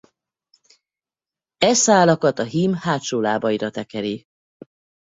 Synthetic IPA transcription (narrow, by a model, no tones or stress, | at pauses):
ɛsaːlɒkɒt̪ɒɦiːmhaːt̪ʃoːlaːbɒiɾɒt̪ɛkɛɾi